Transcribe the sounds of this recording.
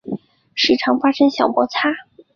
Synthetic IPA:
ʂɻ̩˥˩ʈ͡ʂʰɑ˧˥ŋfa˥ʂə˥nɕjɑ˨˩ʊpwɔ˧˥t͡sʰa˥

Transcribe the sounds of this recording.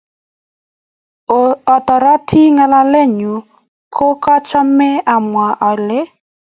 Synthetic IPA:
ɔ˨tɔ˨ɾa˦tʰi˦ŋa˦la˦le˦˨ɲu˨ | kʰo˦kɔ˦t͡ʃɔ˦mɪ˦ʔa˨mwa˨ʔɔ˨lɪ˦

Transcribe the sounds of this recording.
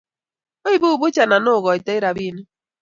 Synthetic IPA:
o˦i˦bu˦u˨bʊ˦t͡ʃa˨na˨nʊ˦ʊ˨ɣɔ˨i˨te˦ɪ˦ɾa˨bi˦ne˦

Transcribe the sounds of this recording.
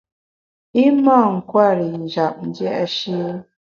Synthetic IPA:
i˦ma˦˨ŋ̩˨kwa˦˨ɾi˨n̩˨d͡ʒa˨p̚n̩˦d͡ʒɛ˦ʔa˦ʃe˦

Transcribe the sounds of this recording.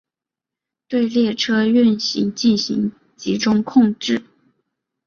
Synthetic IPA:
t̪we˥˧ɪljɛ˥˩ʈ͡ʂʰɤ˥y˥˩nɕḭ˧˥ŋt͡ɕi˥˩nɕḭ˧˥ŋ | t͡ɕi˧˥ʈ͡ʂʊ˥ŋkʰʊ˥˧ŋʈ͡ʂɻ̩˥˩

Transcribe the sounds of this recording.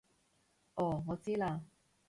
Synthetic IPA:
ʔɔː˨˩ŋɔː˨˧t͡siː˥laː˧

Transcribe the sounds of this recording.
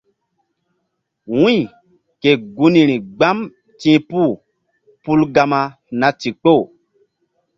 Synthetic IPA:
wuĩ˦˨ | ke˨ɡu˦nĩ˨ɾĩ˨ɡ͡ba˦m | tĩ˦pu˦˨ | pu˦lɡa˦ma˧ | na˨ti˨k͡po˦˨

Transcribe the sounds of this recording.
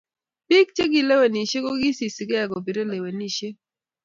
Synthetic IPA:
pi˦k̚t͡ʃe˦ɡi˨le˦we˨ni˨ʃe˦ko˦ɡi˦si˨si˨ɡɛ˦ɛ˨ɡo˨bi˨ɾe˦le˨we˨ni˦˨ʃe˦

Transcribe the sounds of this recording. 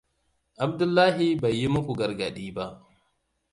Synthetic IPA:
ʔa˨b̚dʊ˦lːaː˦ɦi˦ba˨jːi˦mʊ˦kʷu˨ɡɐ˨ɾɡɐ˨ɗiː˦ba˦ʔ

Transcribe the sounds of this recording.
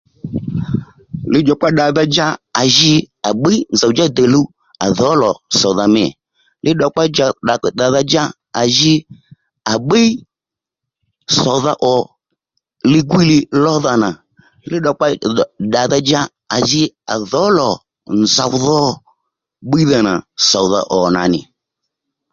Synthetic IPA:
lɪ˦d͡ʒɔ˧k͡pa˦ɗa˨ða˧d͡ʒa˦a˨ʒɪ˧ | a˨ɓi˦n̩˨za˨wd͡ʒa˦d̪ə˨lu˦ | a̰˨ðɔ˨˦lɔ˨sɔ˨ða˧mɛ˨ | lʔɪ˦ɗɔ˧k͡pa˦d͡ʒa˧ɗa˨kda˨ða˧d͡ʒa˦ | a˨ʒɪ˧ | a˨ɓi˦ | sɔ˨ða˧ʔɔ˨ | lɪ˦ɡwi˦lɪ˧lɔ˦ða˧na˨ | lɪ˦ɗɔ˧k͡pa˦˨da˨ða˧d͡ʒa˦ | a˨ʒɪ˧a̰˨ðɔ˨˦lɔ˨ | n˨za˨wðɔ˦ | ɓi˦ða˧na̰˨sɔ˨wða̰˧ʔɔ˨na̰˨nɪ̰˨

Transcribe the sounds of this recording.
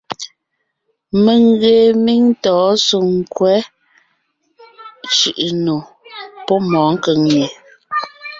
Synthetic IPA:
me˨ŋ˦ɣe˨mi˦ŋ˦tɔː˨˦su˨ŋ̩˦˨kwɛ˨˦ | t͡ʃʉ˨ʔno˨ | pɔ˦mɔː˨˦ŋ̩˦kə˨˦ŋɲe˨

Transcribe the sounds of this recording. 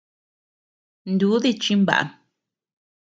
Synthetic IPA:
nd̪u˨˦ði˦˧t͡ʃĩ˧mba̰˨ʔa̰˨n

